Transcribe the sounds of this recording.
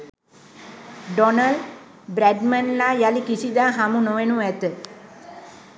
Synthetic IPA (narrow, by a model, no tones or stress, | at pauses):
ɖonal | bɾæɖmanlajalikisid̪aːɦamunoʋenuɛt̪ə